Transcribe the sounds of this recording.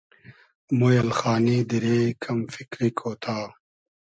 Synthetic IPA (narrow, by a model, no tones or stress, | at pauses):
mojɐlxaːniːd̪iɾeːkʰɐmfikɾikʰoːt̪ʰaː